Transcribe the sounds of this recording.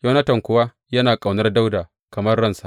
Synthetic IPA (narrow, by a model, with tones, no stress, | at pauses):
ja˦wnɐ˦tɐ˨ŋkʷʊ˨wa˦ | jɐ˦naː˨kʼa˨wnɐ˦rda˦wdaː˨ | kɐ˨mɐ˦rːɐ˦nsa˨